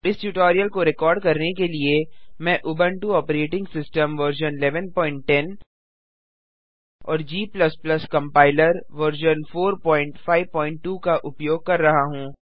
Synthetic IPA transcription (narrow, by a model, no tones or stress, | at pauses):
ɪsʈuːʈɔːɾijəlkoɾɪkɔːɾɖkɐɾnekeliemɛ̃ːʔʊbə̃ɳʈuɔːpɾeːʈɪ̃ŋɡsɪsʈəmʋəɾʒənɪlɛːʋənpɔːɪ̃ɳʈʈːɛn | ɔːɾd͡ʒiːplɐsplɐskɐ̃mpaːɪləɾʋəɾʒənfoːɾpɔ̃ːɪ̃ɳʈfaːɪʋpɔːɪ̃ɳʈːuːkaʔʊpjoːɡ̚kɐɾːɐɦaɦũː